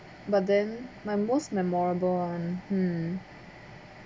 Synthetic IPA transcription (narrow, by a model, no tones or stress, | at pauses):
bʌt̪̚d̪ɛ̃nmaɪmostmɛ̃mɔɹbɔnmm̩